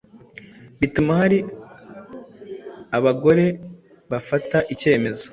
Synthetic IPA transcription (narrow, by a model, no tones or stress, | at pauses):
βitumahaɾi | aβaɡo̞ɾe̞ | βafataʔice̞ːme̞zo̥